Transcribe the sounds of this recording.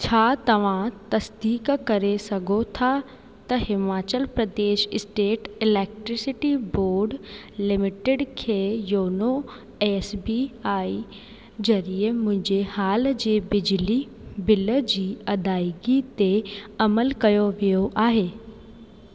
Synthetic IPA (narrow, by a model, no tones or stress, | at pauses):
t͡ɕʰaːt̪ɐʋ̤ãt̪ɐsd̪iːkkɐɾesɐɡʱot̪ʰa | t̪ɐɦɪmaːt͡ɕəlpɾɐd̪eːʃɪsʈeːʈɪleːk̚ʈɾɪsɪʈiboːɾɖlɪmɪʈɪɖkʰejoːno | eːsbiaːi | d͡ʑɐɾijəmʊ̃ɦɪ̃ɲd͡ʑehaːld͡ʑeːbɪd͡ʑli | bɪləd͡ʑiːɐd̪aːɪɡit̪eɐməlkɐjoʋijoʔaːɦeː